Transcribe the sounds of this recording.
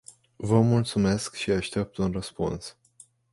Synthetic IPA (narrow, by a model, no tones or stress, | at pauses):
vəmult̪sume̞skʃiaʃt̪ep̚t̪unrəspṵns